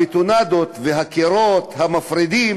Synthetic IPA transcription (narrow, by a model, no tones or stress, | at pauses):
it̪unad̪ot̪veɦakeɾot̪hamafɾid̪i